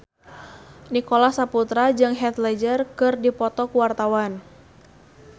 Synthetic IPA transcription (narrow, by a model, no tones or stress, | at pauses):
nikolasaput̪ɾad͡ʒɨŋɦɛt̪lɛd͡ʒərkɨrdipɔt̪ɔkuwart̪awan